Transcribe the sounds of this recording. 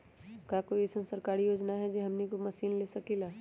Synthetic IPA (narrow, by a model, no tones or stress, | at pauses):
kakoːiesənsɐɾkaːɾijoːd͡ʒnaɦɛd͡ʒeɦɐmnikomɐsiːnlesɐkilaː